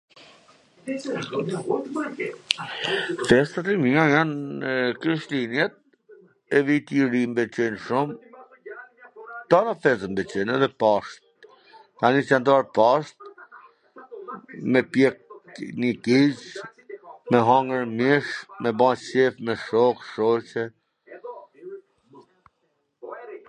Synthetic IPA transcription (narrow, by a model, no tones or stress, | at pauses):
fɛst̪at̪imiŋɡajankɾiʃlinjɛt̪̚ | ɛvit̪iɾimbɛt͡ɕɛnʃum | t̪anafɛzəmbɛt͡ɕɛnɛðɛpaʃt̪̚ | k̪anisɛnt̪ɔaɾpaʃt̪̚ | mɛpjɛk̚nikit͡ʃ | mɛɦaŋɡəɾmiʃmɛbãɕɛfmɛʃɔkʃɔt͡ɕɛ